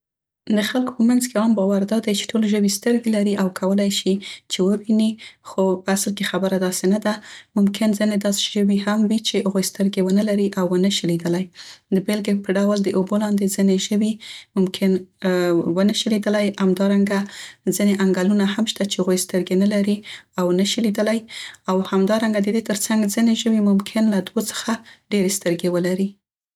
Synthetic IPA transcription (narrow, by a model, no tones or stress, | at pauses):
d̪əxalko̥pəmanzkeɑmbɑwaɾd̪ɑd̪ajt͡ʃe̥ʈʰolʒəwist̪əɾɡelaɾiʔawkʰawəlajʃit͡ʃewəwinixopəaslkexabəɾad̪ɑsenad̪amʊmkʰɪnzined̪ɑse̥ʒəwiɦamwit͡ʃehaɣojst̪əɾɡewənəlaɾiʔawːənəʃəlid̪əlajd̪əbelɡepəɖawəld̪əʔobolɑnd̪ezineʒəwimʊmkʰɪn | wənəʃəlid̪əlajamd̪ɑɾaŋɡazineʔaŋɡalunaɦamʃt̪at͡ʃehaɣojst̪əɾɡenalaɾiawnəʃilid̪əlajawhamd̪ɑɾaŋɡad̪əd̪et̪əɾt͡saŋɡzineʒəwimʊmkʰɪnlad̪wot͡sə̥xaɖeɾest̪əɾɡewəlaɾi